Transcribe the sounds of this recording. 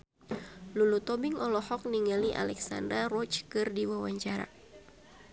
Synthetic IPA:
lulut̪ɔbiŋɔlɔhɔk̚niŋaliʔa̰lɛksa̰ndarɔt͡ʃkɨrdiwawaɲt͡ʃaɾa̰

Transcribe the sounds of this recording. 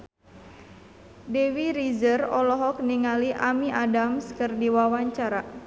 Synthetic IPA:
dewiɾizərɔlɔɦɔk̚niŋaliʔamiʔadamskərdiwawaɲt͡ʃaɾa

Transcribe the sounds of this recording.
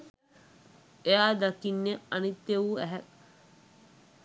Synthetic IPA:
eaːd̪ɐkinːeɐnit̪ːeʋuːæɦæ

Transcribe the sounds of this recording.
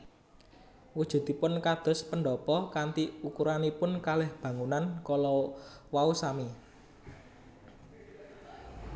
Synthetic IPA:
wud̥ʒ̥ṳd̪̥i̤pʊnkad̪̥ɔ̤spəɳɖɔpɔkant̪iukuɾanipʊnkalɛhb̥ä̤ŋunankɔlɔwausami

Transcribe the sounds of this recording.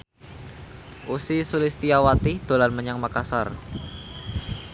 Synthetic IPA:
ʔusisulɪst̪iawat̪id̪̥o̤lanməɲaŋmakasar

